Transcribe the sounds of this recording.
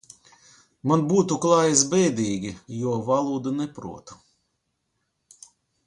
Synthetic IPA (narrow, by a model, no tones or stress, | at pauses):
manbuːt̪uklˠɑːjisbɛjd̪ʲiːɡʲijuɔvalˠuːd̪ɨnɛpɾṵɔt̪u̥